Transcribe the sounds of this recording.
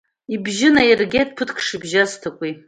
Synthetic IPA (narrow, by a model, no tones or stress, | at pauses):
ibʒɪnajerɡʲetʼpʰɨtʰkʰʂibʒaztʰakʷʼi